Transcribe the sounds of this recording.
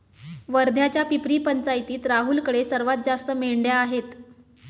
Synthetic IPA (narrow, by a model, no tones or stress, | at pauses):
ʋəɾd̪ʱjat͡ɕjapipɾiːpənt͡sajt̪iːt̪ɾaɦuːlkəɽesəɾʋat̪̚d͡zast̪əmeɭɳɖjaːɦet̪